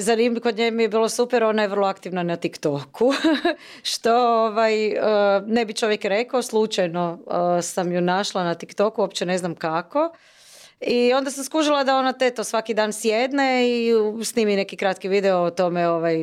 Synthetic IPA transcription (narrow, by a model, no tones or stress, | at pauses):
zanimikod̪ɲemijebiːlˠosupɛɾo̞najeʋər̩lˠoakt̪iʋnanat̪ikt̪okʰu | ʃt̪o̞oʋajəne̞bit͡ʃo̞ʋjekɾekaoslˠut͡ʃajno̞əsamjunaʃlˠanat̪ikt̪okuopt͡ʃene̞znamkako̞ | io̞nd̪as̬amskuʒilˠad̪ao̞nat̪et̪osʋakid̪aːnsjed̪ne̞isniːmine̞kikɾat̪kiʋiːd̪ɛoot̪o̞meoʋaj